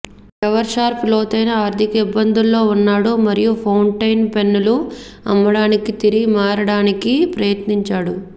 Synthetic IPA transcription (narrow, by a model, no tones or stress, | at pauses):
ɐʋɐɾʃaːɾplo̞ːt̪ɐjnɐaːɾd̪ʱikɐibːɐnd̪ʱulːo̞ːunːaːɽumɐɾijupʰɐwɳʈɐjnpenːulu | ɐ̰mːɐɽaːnikit̪iɾimaːɾɐɽaːnikipɾɐjɐt̪niɲt͡ʃaːɽu